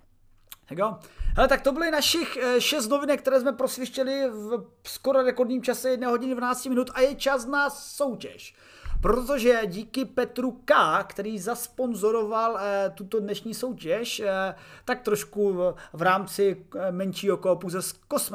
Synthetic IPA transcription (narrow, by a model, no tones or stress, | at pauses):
hɛɡohɛlɛt̪ak̚t̪o̞bɪlɪnaʃɪxʃɛs̬t̪no̞vɪnɛkt̪ɛɾɛːs̬mɛpɾosvɪʃcɛlɪvskoɾoɾɛkoɾdɲiːmt͡ʃasɛjɛdnɛːɦoɟɪnɪdvanaːt͡scɪmɪnut̪ʔajɛt͡ʃasnaso̞wcɛʃ | pɾo̞t̪o̞ʒɛɟiːkɪpɛt̪ɾukakt̪ɛɾiːzaspo̞nzo̞ɾo̞valt̪ut̪odnɛʃɲiːso̞wcɛʃt̪ak̚t̪ɾoʃkuvɾaːmt͡sɪmɛnt͡ʃiːɦokoopowzɛskosm